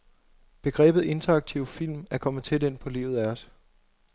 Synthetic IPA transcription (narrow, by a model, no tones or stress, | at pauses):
b̥e̝ɡ̥ʁɛ̰ːb̥ð̩ˠe̝nt͡sʰɐɑɡ̥̚t͡sʰiʊfil̰mæɐkʰɒ̽mð̩ˠt͡sʰe̝d̥e̝n̰pʰɒ̽lḭːʊð̩ˠæɒ̽s